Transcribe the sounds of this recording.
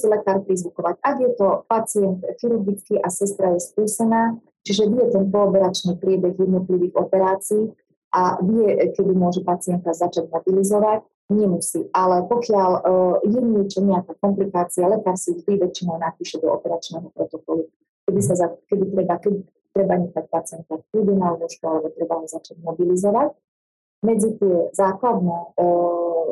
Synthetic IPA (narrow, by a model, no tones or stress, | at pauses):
silɛkaːɾpɾizʋukɔʋacaɡjɛt̪ɔpat͡siɛnt̪xiɾuɾɡit͡skiʔasɛst̪ɾajɛskuːsɛnaː | t͡ʃiʒɛʋijɛt̪ɛnkɔːpɛɾat͡ʃniːpɾɪɛbɛɣjɛd̪nɔt̪liʋiːɣɔpɛɾaːt͡siiː | ʔaviɛkɛd̪imʊɔʒɛpat͡siɛnt̪azat͡ʃaɟmɔbilizɔʋac | ɲɪɛmusiːʔalɛpɔkɪaljɛɲɪɛt͡ʃɔɲɛakaːkɔmplikaːt͡sialɛkaːɾsiʒd̪iʋɛt͡ʃinɔʊnapiːʃɛd̪ɔɔpɛɾat͡ʃnɛɦɔpɾɔt̪ɔkɔlu | kɛd̪isazakɛd̪it̪ɾɛbakɛd̪i | t̪ɾɛbaɲɛxac̚pat͡sɪɛnt̪akud̪inallɔʃkualɛbɔt̪ɾɛbaazat͡ʃaɟmɔbilizɔʋac | mɛd͡zit̪ɪɛzaːklad̪nɛ